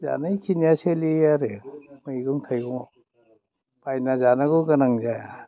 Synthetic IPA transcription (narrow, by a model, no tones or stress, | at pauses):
za̰najkʰiniaselijaɾemɯjɡuŋt̪ʰajɡuŋ | pajnazanaɡɯɡanaŋzaja